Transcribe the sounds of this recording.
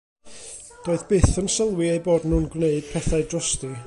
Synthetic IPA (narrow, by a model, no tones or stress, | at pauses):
d̥oːɨðb̥ɪθənsəlˠwiejboːdnuːnɡwneɨd̥̚pʰɛθaɨdrɔsti